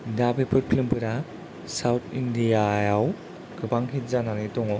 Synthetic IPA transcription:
dabepʰɯɾpʰlɯmpʰɯɾa | sawtʰindijajaw | ɡɯbaŋɦit̚zananɯtɔŋɔ

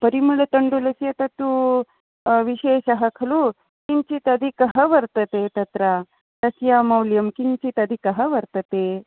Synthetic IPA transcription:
pɐɾimuɭɐt̪ɐɳɖulɐsjɐt̪ɐt̪ːu | ʋiʃeːʃɐɦɐkʰɐlu | kiɲt͡ʃit̪ɐd̪ʱikɐɦɐʋɐɾt̪ɐt̪et̪ɐt̪ɾa | lɐsjaːmɐwljɐmkiɲt͡ʃit̪ɐd̪ʱikɐɦɐʋɐɾt̪ɐt̪e

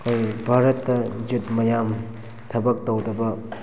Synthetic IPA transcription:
kojbʱaɾɐt̪ːɐd͡ʒut̪̚mɐjam | t̪ʰɐbɐk̚t̪ɐwdɐbɐ

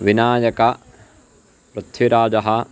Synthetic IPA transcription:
ʋinaːjɐkɐ | pɾɨt̪ʰːiɾaːd͡ʒɐɦɐ

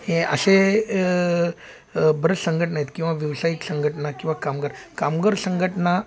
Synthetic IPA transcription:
ɦeə̰se | bəɾəsəŋɡʱəʈnaɦjit̪kĩw̃ʋaʋiwsaiksəŋɡʱəʈnakĩw̃ʋakamɡəɾkamɡəɾsəŋɡʱəʈna

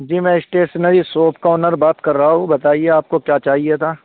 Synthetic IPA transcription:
d͡ʒiːmɛ̃ɪsʈeːsnəɾisoːpkaʊnəɾbaːt̪kɐɾːəɦaɦũbɐt̪aːieaːp̚kokjaːt͡ʃaːɦiet̪ʰaː

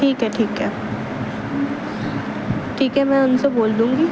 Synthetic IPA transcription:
ʈʰiːkɦɛʈʰiːkɦɛː | ʈʰiːkɦɛmɛ̃ʊnseboːld̪ũːŋɡiː

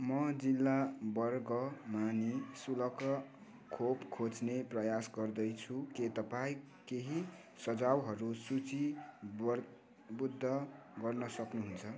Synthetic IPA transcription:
mʌd͡zilːabʌrɡʌmanesulʌkʌ | kʰopkʰot͡sneprʌjasɡʌrd̪ʌjt͡sʰuket̪ʌpaĩ | keɦi | sʌd͡zawɦʌɾusut͡si | bud̪ʱːʌ | ɡʌrnʌsʌknuɦunt͡sʰʌ

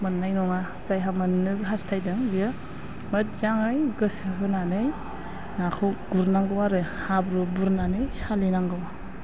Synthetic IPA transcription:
mɯnːajnɔŋa | zajɦamanːɯɡɦastʰajdɯŋjɯ | mət̚zaŋɯjɡɯsɯɦɯnanɯj | nakʰɯɡ̥uɾnaŋɡɯwaɾɯhabɾubuɾnanɯjsalinaŋɡɯwa

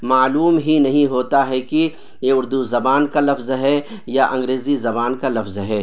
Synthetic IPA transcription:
maːluːmɦinɐɦĩɦoːt̪aɦɛki | jeʊɾd̪uzɐbaːnkalɐfzɦɛ | jaʔɐ̃ŋɡɾeːzizɐbaːnkalɐfzɦɛː

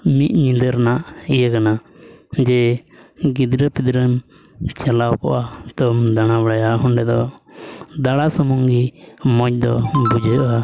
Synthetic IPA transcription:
mit̪̚ɲĩnd̪əɾnaʔijəkanad͡ʒɛ | ɡid̪ɾəpid̪ɾən | t͡ʃalawkɔ̰ʔat̪ɔmd̪anabɽajaɦɔɳɖɛd̪ɔ | d̪aɽasɔmɔŋɡimɔc̚d̪ɔbud͡ʒəʔa

